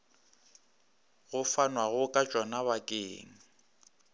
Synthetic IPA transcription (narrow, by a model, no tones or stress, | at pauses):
ɣʊfanwaɣʊkʼat͡ʃʼɔnaβakʼeːŋ̩